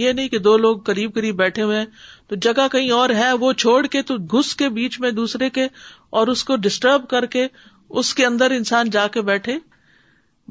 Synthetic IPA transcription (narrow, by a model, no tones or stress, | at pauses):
jenɐɦĩked̪oːloːɡ̚kɐɾiːb̚kɐɾiːbːɛːʈʰeɦuẽt̪od͡ʒɐɡakɐɦĩɔːɾɦɛʋot͡ʃʰoːɽket̪oɡʱʊskebiːt͡ʃmẽd̪uːsɾekeɔːɾʊskoɖɪsʈəɾbkɐɾke | ʊskeɐ̃nd̪əɾɪ̃nsaːnd͡ʒaːkebɛːʈʰeː